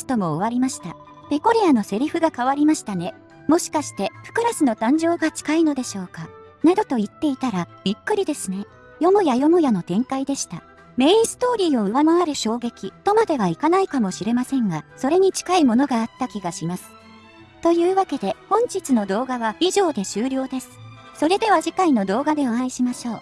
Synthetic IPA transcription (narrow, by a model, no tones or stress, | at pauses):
sɨ̥t̪omo̞ːβ̞aɾʲimaɕi̥t̪a | pe̞ko̞ɾʲiano̞se̞ɾʲiɸɯ̟ɡakaβaɾʲimaɕi̥t̪ane̞ | mo̞ɕi̥kaɕi̥t̪e̞ɸɯ̟̥kɯ̟ɾasɨno̞t̪ãɲ̟d͡ʑo̞ːɡat͡ɕi̥kaino̞d̪e̞ɕo̞ːka | nad̪o̞t̪o̞it̪ːe̞it̪aɾabʲikːɯ̟ɾʲid̪e̞sɨne̞ | jo̞mɯ̟jajo̞mɯ̟jano̞t̪ẽ̞ŋkaid̪e̞ɕi̥t̪a | me̞ĩsɨ̥t̪o̞ːɾʲiːo̞ɯ̟βanaβaɾɯ̟ɕo̞ːɡe̞kʲit̪o̞mad̪e̞βaikanaikamo̞ɕiɾe̞masẽ̞ŋɡaso̞ɾe̞ɲ̟it͡ɕi̥kaimo̞no̞ɡaːt̪ːakʲiɡaɕimasɨ̥ | t̪o̞jɯ̟ːβake̞d̪e̞hõ̞ɲ̟t͡ɕit͡sɨno̞d̪o̞ːɡaβaiʑo̞ːd̪e̞ɕɨːɾʲo̞ːd̪e̞sɨ̥ | so̞ɾe̞d̪e̞βad͡ʑikaino̞d̪o̞ːɡad̪e̞oãĩɕimaɕo̞ː